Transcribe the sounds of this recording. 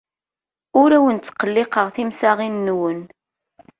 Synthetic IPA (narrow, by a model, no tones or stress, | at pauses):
ʊɾæwənt͡sːqːəlːɪqəʁθimsaʁinːwən